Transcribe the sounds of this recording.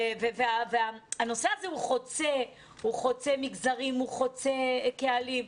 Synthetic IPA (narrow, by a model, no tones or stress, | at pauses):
veveaveaano̞seazeuχo̞t͡se | huχo̞t͡semiɡzaʁimuχo̞t͡sekealim